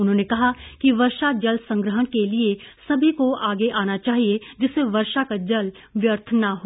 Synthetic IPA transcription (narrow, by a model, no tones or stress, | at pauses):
ʊnɦõːnekɐɦakiʋɐɾʃad͡ʒɐlsɐ̃ŋɡɾəɦənkeliesɐbʱikoaːɡeʔaːnat͡ʃaːɦied͡ʒɪseʋɐɾʃakad͡ʒɐl | ʋjəɾt̪ʰnaɦoː